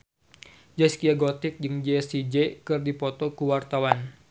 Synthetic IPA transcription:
d͡ʒɛskiaɡot̪ɪk̚d͡ʒɨŋd͡ʒesid͡ʒekɨrdipɔt̪ɔkuwart̪awan

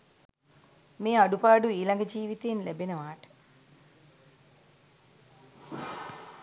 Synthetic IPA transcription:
meːaɖupaːɖuiːlɐŋɡəd͡ʒiːʋit̪eːnlæbenəʋaːʈə̥

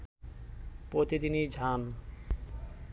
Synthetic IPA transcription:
pɾot̪id̪inid͡ʑʱan

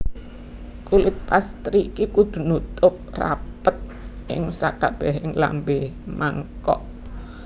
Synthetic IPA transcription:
kulɪt̪̚past̪ɾikikud̪̥ṳnut̪ʊp̚ra̰pət̪̚ʔɪ̰ŋsa̰kab̥ɛɦɪŋla̰mbemaŋkɔʔ

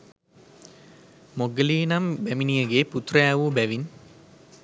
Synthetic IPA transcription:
moɡəliːnɐmbæminijəɡeːput̪rɐjaːʋubæʋin

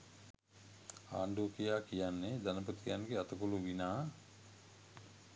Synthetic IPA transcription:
aːɳɖuəkijaːkijanːed̪anəp̬ut̪ijanɡeat̪əkuluʋinaː

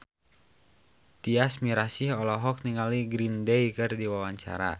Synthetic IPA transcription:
t̪iasmiɾasiɦɔlɔɦɔk̚niŋaliɡɾindɛjkɨrdiwawaɲt͡ʃa̰ɾa̰

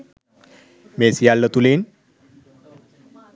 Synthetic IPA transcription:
mesijalːət̪ulin

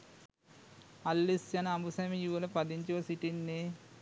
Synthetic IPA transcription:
ɐlːisjɐnɐɐmbusɐmijuʋɐlɐpɐd̪iɲt͡ʃuʋɐsiʈinːeː

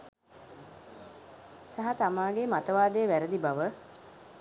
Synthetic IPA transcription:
saɦɐt̪amaːɡemat̪əʋaːd̪əjːʋæɾəd̪ibaʋə

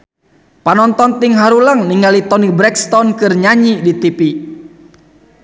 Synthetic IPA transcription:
panɔnt̪ɔnt̪iŋɦaɾulaŋniŋalit̪ɔnibɾɛkst̪ɔnkɨrɲaɲidit̪ipi

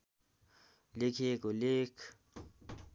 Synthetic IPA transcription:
lɪkʰeːkoleːkʰ

